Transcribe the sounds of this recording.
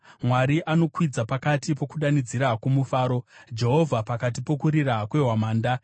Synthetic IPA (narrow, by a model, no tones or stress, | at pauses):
mwaɾiʔano̞kwid͡zapakatipo̞kuɗanid͡ziɾakumufaːɾo̞d͡ʒe̞ɦo̞vʱapakat̬ipo̞kuɾirakwe̞ɦwamaːnda